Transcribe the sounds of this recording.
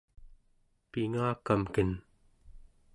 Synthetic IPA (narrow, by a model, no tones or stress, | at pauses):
piŋaːkamkən